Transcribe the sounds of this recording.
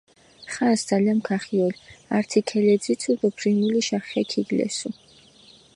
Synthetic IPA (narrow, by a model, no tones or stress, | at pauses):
χansd̪zaliamkʰaχiɔlaɾt̪ʰikʰɛlɛd̪zit̪sʰud̪ɔbʰɾinuliʃaχɛkʰiɡlɛ̰su